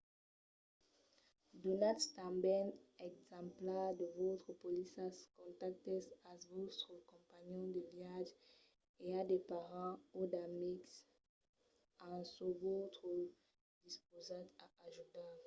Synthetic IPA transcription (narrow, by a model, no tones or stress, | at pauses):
d̪onat̪t̪ãmbɛnɛɡzɑ̃mplɛd̪əvot̪χəpolisaskɔ̃t̪ak̚t̪esasvot̪χəkɔ̃mpaɲɔ̃d̪əvjaʒ | ead̪epaʁɑ̃od̪amiks | ãsuvot̪χə | d̪ispozat̪aaʒut̪a